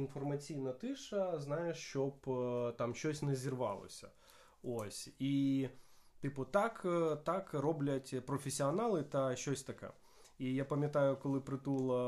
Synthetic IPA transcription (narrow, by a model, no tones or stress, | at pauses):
infɔrmɐt͡sʲijnɐt̪ɪʂɐznajeʂt͡ʃɔpt̪amɕɔsʲnɐzʲirʋɑ̰lˠɔ̰sʲɐ̰ | osʲi | t̪ɨpʊt̪akt̪akrɔblʲɐtʲpɾɔfʲɪsʲːiɐnalˠɨt̪ɐʃɔsʲt̪ɐkɛ̰ | ijapɐmʲjɐt̪ajʊkɔlˠɪpɾɨt̪ulˠɐ